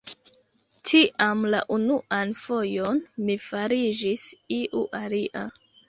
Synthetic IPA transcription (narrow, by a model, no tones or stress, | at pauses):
tʰiʔamla̰ʔunuʔanfo̞jo̞nmifaɾid͡ʒisiʔuʔaliʔa